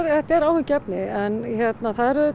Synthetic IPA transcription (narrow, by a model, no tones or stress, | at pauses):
ɾɛht̪ɛɾaːwvɪcɛpnɪɛnçɛt̪naθaðɛɾʏ